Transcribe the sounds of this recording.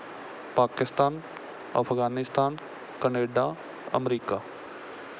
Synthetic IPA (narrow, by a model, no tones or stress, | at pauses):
paːkɪst̪aːn | ɐ̰pʰɡaːnɪst̪aːn | kəneːɖa | ə̰mɾiːkaː